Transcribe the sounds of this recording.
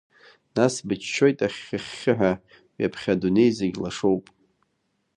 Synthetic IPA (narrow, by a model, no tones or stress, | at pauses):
nasbɨt͡ʃʰt͡ʃːo̞jtʼaχʲːɨχʲːɪħʷᶣa | wiapʰχʲadune̞jzeɡʲlaʂo̞wpʼ